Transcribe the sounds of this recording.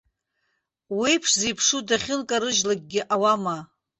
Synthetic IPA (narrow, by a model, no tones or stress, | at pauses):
wijpʰʂzejpʰʂudaχʲɪlkʼaɾɨʒlaɡ̚ʲɡʲɪʔawama